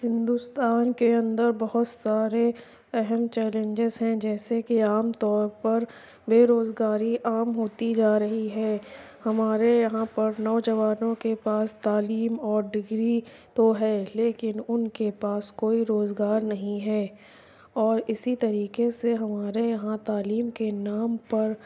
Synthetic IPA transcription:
hɪ̃nd̪ʊst̪aːnkeɐ̃nd̪əɾbɐɦʊt̪saːɾe | ɛɦɛmt͡ʃɛːlẽɲd͡ʒɪzɦɛ̃d͡ʒɛːsekiaːmt̪ɔːɾpɐɾ | beːɾoːzɡaːɾiʔaːmɦoːt̪id͡ʒaːɾɐɦiɦɛː | hɐmaːɾejɐɦãpɐɾnɔːd͡ʒɐʋaːnõkepaːst̪aːliːmɔːɾɖɪɡɾi | t̪oɦɛːleːkɪnʊnkepaːskoːiɾoːzɡaːɾnɐɦĩɦɛː | ɔːɾɪsit̪ɐɾiːqeseɦɐmaːɾejɐɦãt̪aːliːmkenaːmpɐɾ

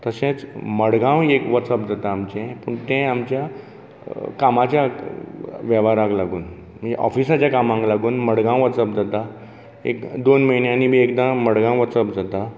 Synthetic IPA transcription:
t̪əsẽt͡sməɽɡãwekʋɔsəpd͡zat̪aːmt͡ɕẽpəɳt̪ɛ̃amt͡ɕja | kamat͡ɕja | ʋjɛʋaɾãɡlaɡuːn | m̤əɳd͡zeʔɔ̰fisat͡ɕjakamãŋɡlaɡuːnməɽɡãw̃ʋət͡səp̚d͡zat̪a | ḛkd̪onməjneañim̤iekd̪ãməɽɡãw̃ʋəsəpd͡zat̪a

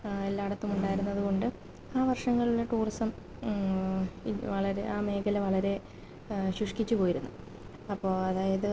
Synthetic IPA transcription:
e̞lːaːɽɐt̪ːumuɳɖaːjiɾunːɐðuko̞ɳɖɨ | aːʋɐrʂɐŋːɐɭuleʈuːrisɐm | ʋɐɭɐɾe̞ʔaːme̞ːkɐleʋɐɭɐɾe̞ | ɕuʂkit͡ɕːupo̞ːjiɾunːu | ɐpːo̞ːɐðaːjɐðɨ

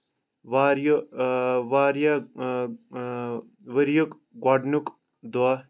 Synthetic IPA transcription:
ʋaːɾjo | ʋaːɾja | ʋəɾjok | ɡaɖnuk | d̪wa

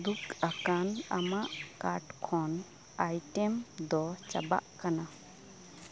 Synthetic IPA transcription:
d̪ukakana̰maʔkaɾʈkʰɔn | ajʈɛmd̪ɔt͡ʃa̰ba̰ʔkana

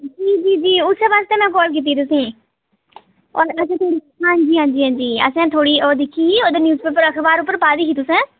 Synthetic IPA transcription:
d͡ʒiːd͡ʒiːd͡ʒiːʊseʋaːst̪eːmɛ̃ːkɔːlk̬iːt̪̬ːiːt̪ʊsĩː | ɔːɾəsɛ̃ːt̪ʰoːɽiɦãːɲd͡ʒiːɦãːɲd͡ʒiːɦãːɲd͡ʒiːə̰sɛ̃ːt̪ʰoːɽiːoːd̪ɪkʰːiːiːoːd̪enjuːzpeːpəɾəkʰbaːɾʊpːəɾpaːd̪iːɦiːt̪ʊsɛ̃ː

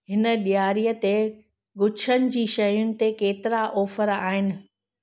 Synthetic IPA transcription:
ɦɪnə̆ɗijaːɾijət̪e | ɡʊt͡ɕʰənɪ̆d͡ʑiːʃɐjʊnɪ̆t̪ekeːt̪ɪɾaʔɔːfəɾa̰ːɦɪnɪ̆

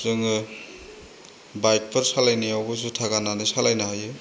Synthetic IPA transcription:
zɯŋ | bajk̚pʰɐɾsalajnijawbɯs̬utʰaɡananisalajnaajɯ

